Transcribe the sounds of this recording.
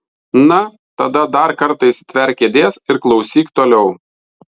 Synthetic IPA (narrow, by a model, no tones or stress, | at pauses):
nɐ | t̪ɐd̪ɐd̪ɐɾkɐɾt̪ɐɪst̪ʲʋʲɛɾʲkʲeːd̪ʲeːsɪɾklˠɒʊsʲiːkt̪oːlʲɛʊ